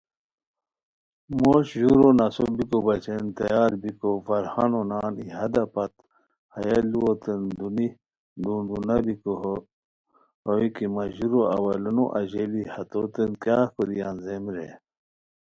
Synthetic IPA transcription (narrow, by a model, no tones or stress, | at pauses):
moɕʑuɾonɐsobikobɐt͡ɕent̪ɐjaːɾbikofɐɾhanonaːniɦɐd̪ɐpɐt̪̚ | hɐjɐliot̪ənd̪uni | duːɳɖunɐbiko | hoikimɐʑuɾoɐ̰wɐlɐnoʔɐʑelihɐt̪ot̪ənkjaːkoɾijanzemɾḛ